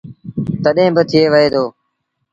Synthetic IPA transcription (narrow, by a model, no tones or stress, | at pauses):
t̪əɗẽːbət̪ʰɪeːʋəɦeːd̪oː